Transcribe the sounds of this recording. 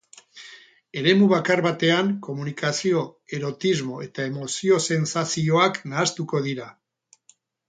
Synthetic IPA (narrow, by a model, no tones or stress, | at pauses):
e̞ɾe̞muβakaɾβat̪e̞aŋko̞munikasio̞e̞ɾo̞t̪izmo̞e̞t̪ae̞mo̞sio̞se̞nsasio̞aknaːst̪uko̞ð̞iɾa